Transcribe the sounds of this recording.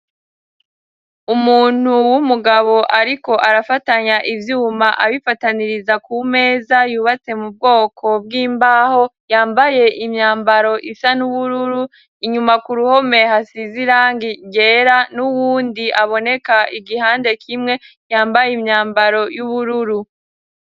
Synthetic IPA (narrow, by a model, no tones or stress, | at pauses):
umuːn̥huwumuɡaβo̞ʔaɾiko̞ʔaɾafataɲaʔivjuːmaʔaβifataniɾizakʰume̞ːzajuːβat͡se̞mub̚ɡo̞ːkʰo̞b̚ɡiːmbaːho̞jaːmbaje̞ʔimɲaːmbaɾo̞ʔisanuβuɾuɾu | iɲumakuɾuho̞me̞hasiziɾaːŋɡiɡe̞ːɾanuwuːndiʔaβo̞ne̞kaʔiɡihaːnde̞kʰimŋe̞ | jaːmbajimɲaːmbaɾo̞juβuɾuɾu